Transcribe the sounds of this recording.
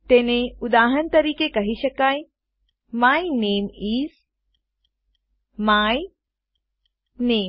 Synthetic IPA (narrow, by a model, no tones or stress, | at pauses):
t̪eːneʊd̪aːɦənt̪ɐɾiːkekɐɦiʃɐkaːj | maːineːmiːz | maːj | neː